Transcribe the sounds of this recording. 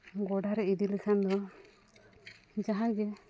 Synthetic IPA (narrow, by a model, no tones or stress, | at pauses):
ɡɔɖaɾɛid̪ilɛkʰand̪ɔ | d͡ʒaɦãɡɛ